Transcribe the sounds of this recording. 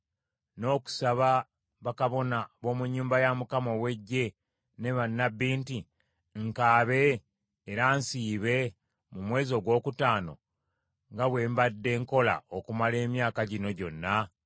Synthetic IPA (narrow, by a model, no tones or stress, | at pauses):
no̞ːku̥saβa | βakaβo̞naβo̞ːmuɲːuːmbajamukamo̞we̞ɟːe̞ | ne̞βanːabiːnti | ŋkaːβe̞ː | ɾaːnsiːβe̞ | mumwe̞ːzo̞ːɡwo̞ːkutaːno̞̰ | ŋɡaβwe̞ːmbadːe̞ːŋko̞la̰okumale̞ːmjaːkaɟino̞ɟo̞nːa